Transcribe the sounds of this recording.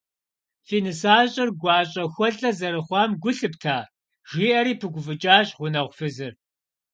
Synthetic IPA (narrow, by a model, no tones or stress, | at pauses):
fiːnɨsaːɕʼɪrɡʷɑːɕʼɐxʷɔɮɐzɐɾɨχʷɑːmɡʷʊɬɨptʰaː | ʒiːʔɐɾiːpʰɨɡʷʊvɨt͡ʃʼaːɕʁʷʊnɐʁʷfɨzɨr